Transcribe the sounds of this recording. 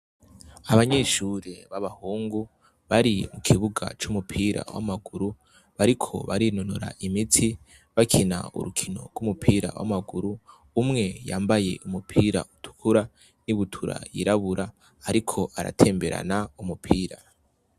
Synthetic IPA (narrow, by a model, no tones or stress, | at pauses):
aβaɲeːʃuɾeβaβahuːŋɡu | βaɾimukʰiβuɡa̰t͡ʃumupʰiːɾa̰wa̰maɡuɾu | βaɾikʰo̞̰βaɾinonoɾa̰ʔimitʰi | βakʰina̰ṵɾukʰino̞̰ɡɡwumupʰiːɾa̰wʔa̰maɡuɾuː | mŋe̞jaːmbaje̞̰umupʰiːɾa̰ʔutʰu̥kʰuɾa | niβutʰuɾa̰jiɾaβuɾaː | ɾikʰo̞ʔaɾa̰tʰe̞ːmbe̞ɾa̰naumupʰiːɾa